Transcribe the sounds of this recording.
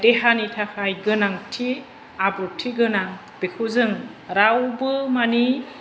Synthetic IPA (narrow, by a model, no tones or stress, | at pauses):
deɦanitʰakʰajɡɯnaŋtʰi | abɾutʰiɡɯnaŋ | b̥ekʰuzɯŋɾawbɯmani